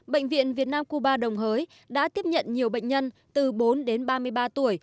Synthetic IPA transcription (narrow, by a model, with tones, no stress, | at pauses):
ɓə̰˧˨jŋ̟vḭ˧˨ənvi˨˩ət̚naː˧mku˧ɓaː˧ɗə˨˩wŋ͡mɦəː˨˦j | ɗa̰ː˧˥t̪i˦˥əp̚ɲə̰˧˨nɲi˨˩əwɓə̰˧˨ŋ̟ɲə˧nt̪ɨ˨˩ɓo˨˦nɗe˨˦nɓaː˧mɨ˧əjɓaː˧t̪u˧˩əj